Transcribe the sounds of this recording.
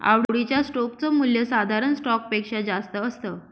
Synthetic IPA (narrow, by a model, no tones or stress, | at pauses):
a̰ʋɽɽit͡ɕjasʈokt͡səmuljəsad̪ʱaɾənsʈɔk̚pekʂad͡zast̪əːst̪ə